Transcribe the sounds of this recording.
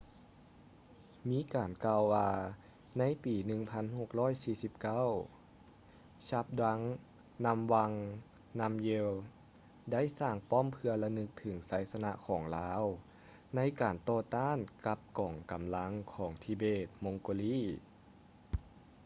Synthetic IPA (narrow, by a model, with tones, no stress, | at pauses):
miː˧˥˨kaː˨˩nkaː˧wwaː˧ | na˧˥˨jpiː˨˩nɯ˧ŋpʰa˧˥nho˧˩k̚lɔː˥˨jsiː˧˩si˧˦p̚ka˧˥˨w | t͡ɕa˧˦˥p̚dwa˧˥ŋ | na˧˥mwa˧ŋ | na˧˥mje˧w | da˥˨jsaː˧˩ŋpɔː˧˥˨mpʰɯ˧ɐlɛ˧nɯ˧˥k̚t̪ʰɯ˩˦ŋsaː˨˦jsa˧na˧˥ʔkʰɔː˩˦ŋlaː˧˦˥w | na˧˥jkaː˨˩nt̪ɔː˧˩t̪aː˧˥˨nka˧˥p̚kɔː˨˩ŋka˨˩mla˧˥ŋkʰɔː˩˦ŋt̪ʰiː˧beː˧˩t̪̚mo˧˥ŋkoː˧liː˧˥˨